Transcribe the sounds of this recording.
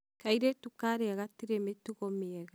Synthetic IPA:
kaiɾetukaɾeaɣatiɾemetuɣɔmeɛɣa

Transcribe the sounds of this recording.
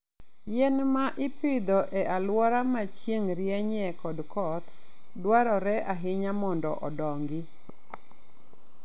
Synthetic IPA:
jɛnmaʔɪpɪd̪ɔʔɛʔalwɔɾamat͡ʃjeŋɾjɛɲɛkɔdkɔt̪dwaɾɔɾɛʔaɦɪɲamɔndɔ̰ʔɔdɔŋɡɪ

